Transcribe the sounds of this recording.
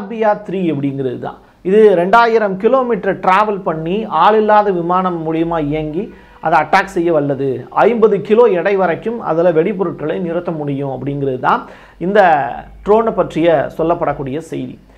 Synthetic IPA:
bɪjaːt̪ɪɾiːɐpːɐɽɪŋɡɪɾɐðɯt̪ã̰ː | ɪðɯɾɛɳɖaːjɪɾɐmkɪloːmiːʈɾɐʈɾaːʋɐlpɐɳːiaːɭɪlːaːðɐʋɪmaːnɐmːʊɻɪjɐmaːɪjɐŋɡi | ʔɐðɐɐʈːaːksɛjːɐʋɐɭːɐðɯɐɪmbɐðɯkɪloːɛɽɐɪʋɐɾɐkːɯmɐ̰ðɐlɐʋɛɽɪpːɔɾɯʈ̚kɐɭɐnɪɾɯt̪ːɐmːʊɽɪjʊ̃ɐpːɐɽɪŋɡɪɾɐðɯt̪ã̰ː | ɪnd̪ɐʈɾoːnɐpːɐʈrɪjɐsɔlːɐpːɐɽɐkːuːɽɪjɐsɛjɪðḭ

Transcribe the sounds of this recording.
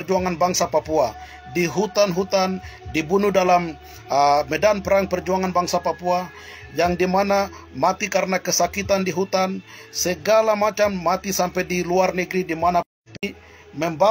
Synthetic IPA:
rd͡ʒuaŋanbaŋsapapua | diɦut̪anɦut̪andibunudalam | mɛdanpəɾaŋpərd͡ʒuaŋanbaŋsapapua | jaŋdimana | mat̪ikaɾənakəsakit̪andiɦut̪ansəɡalamat͡ʃamːat̪isampɛdiluarnəɡɾidimana | p | məmba

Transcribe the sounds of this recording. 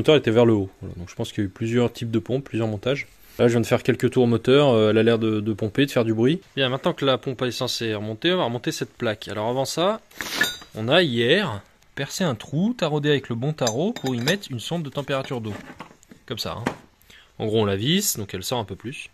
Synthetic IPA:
mɔt̪œʁɛet̪ɛvɛʁləovala̰d̪ɔ̃kʒə̥pɑ̃skʲiljayplyzjœʁt̪ʰip̚d̪əpɔ̃pːlyzjœʁmɔ̃t̪aʒ | laʒəvjɛ̃d̪əfɛʁkʲɛlkət̪uʁomɔt̪œʁøɛlalɛʁd̪əd̪əpɔ̃ped̪əfɛʁd̪ybʁɥibjɛ̃mɛ̃t̪nɑ̃kəlapɔ̃pɛsɑ̃seʁəmɔ̃t̪eɔ̃vaʁəmɔ̃t̪esɛt̪̚plakʰa̰lɔʁavɑ̃sa | ɔ̰̃naijɛʁ | pɛʁseɛ̃t̪χut̪aʁod̪eavɛkləbɔ̃t̪aʁopuʁimɛt̪χynsɔ̃t̪̚d̪ət̪ɑ̃peʁat̪yʁd̪o | kɔmsa̰ɛ̰̃ | ɑ̰̃ɡʁoɔ̃lavisd̪ɔ̃kɛlsɔʁɛ̃pøplys

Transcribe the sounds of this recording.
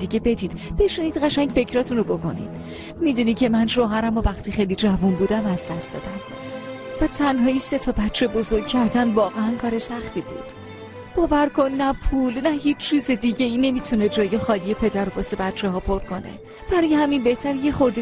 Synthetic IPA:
d̪iɟe̞be̞d̪iːd̪̥b̥e̞ʃiniːd̪̥ɢæʃæɲɟfe̞cɾɒːt̪ʰunobo̞ko̞nḭd̪̥ | mid̪unicʰe̞mænʃoːɦæɾæmovæxt̪ʰiːxejlid͡ʒævunbuːd̪æmæzd̪æst̪d̪ɒ̰ːd̪æm | væt̪ʰænɦɒːise̞t̪ʰɒːbætt͡ʃʰːe̞bo̞zo̞ɾɡ̚cʰæɾd̪ænvɒːɣeænkʰɒːɾesæxt̪ʰiːbṵːd̪̥ | b̥ɒːvæɾkʰo̞nːæpʰuːlnæhiːt͡ʃt͡ʃʰiːze̞d̪iːɟeiːne̞miːt̪ʰune̞d͡ʒɒːjexɒːlijepʰe̞d̪æɾobɒsebætt͡ʃʰeɦɒːpʰo̞ɾkʰo̞ne̞̰ | b̥æɾɒːjehæminbe̞ht̪ʰæɾijeχo̞ɾd̪e

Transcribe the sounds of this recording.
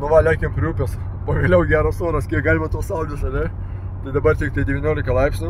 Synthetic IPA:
nʊʋɐlʲæɪkʲempʲɾʲuːpʲes | poːʋʲeːlʲɛʊɡʲæːɾɐsoːɾɐskʲiɛkɡɑːlʲmɐt̪uɔsɐʊd̪ʲɪsɐlʲɛ | t̪ɐɪd̪ɐbɐrt̪ʲɪk̚t̪ɐɪd̪ʲɛʋʲɪnʲoːlʲɪkɐlˠɐɪpʲsʲnʲʊ

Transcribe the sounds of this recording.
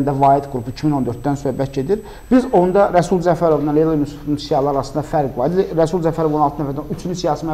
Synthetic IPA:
nd̪ævɑːid̪ɡuɾupuicʰimino̞nd̪øɾt̪̚d̪ænsø̞hbæt̪̚ɟe̞d̪iɾ | b̥izo̞nd̪ɑɾæsulˠzæfæɾo̞vnɑnlelˠmusu̥fnunsijɑlˠɑɑɾɑsɯnd̪ɑfæɾɡvɑɾid̪ɾæsulˠzæfæɾovonɑlˠt̪ʰɯnæfæɾd̪ænyt͡ʃʰynynsijɑːsimæ

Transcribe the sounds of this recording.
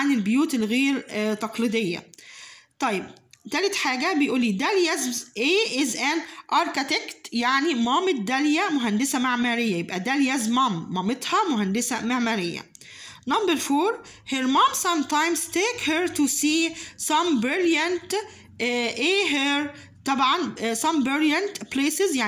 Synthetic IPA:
ʕanelbjuːt̪elɣeːɾt̪ɑqlid̪ejːæ̰t̪ˤɑjːeb̚t̪æːlet̪ħaːɡæbejʔuːlːiːd̪æljæzmʔeːʔɪzænʔɑɾˤkit̪ekt̪jaʕnimɑːmet̪̚d̪æljæmoɦænd̪esæmaʕmæɾejːæjebʔæd̪æljæzmɑmːɑːmet̪hɑmoɦænd̪esæmaʕmæɾejːæ̰ | nɑmbəɾfoːɾ | heɾmɑmsɑ̃mt̪ãjmzt̪eːkheɾt̪usiːsɑmbɾɪljænt̪ | ʔeːɦeɾ | t̪ˤɑbʕɑnsɑ̃mbɾɪljænt̪pleːsɪzjaʕ

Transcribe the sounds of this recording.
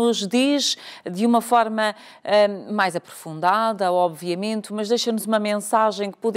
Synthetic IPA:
uʒðiʒd̪ɨumɐfɔɾmɐ | ɛmajzɐpɾu̥fũnd̪aðɐɔβviɐmẽnt̪mɐʒðejʃɐnuzumɐmẽsaʒɐ̃j̃kɨ̥puð

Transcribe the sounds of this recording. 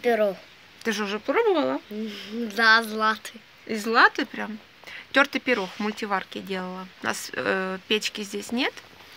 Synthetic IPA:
pʲɪɾox | t̪ɨʐɨʊʐɛpɾobəvəlˠə | d̪azlˠat̪ɨ | izlˠat̪ɨpɾʲam | tʲort̪ɨpʲɪɾoxmʊlʲtʲɪvarkʲɪdʲelˠəlˠəʊna̰spʲet͡ɕkʲɪzʲdʲesʲnʲet̪

